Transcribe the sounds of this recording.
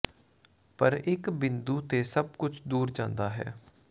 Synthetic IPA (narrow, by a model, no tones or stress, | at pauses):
pəɾɪkbɪnd̪uːt̪eːsəb̚kʊt͡ʃʰd̪uːɾd͡ʒã̰ːnd̪aːɦɛ̰ː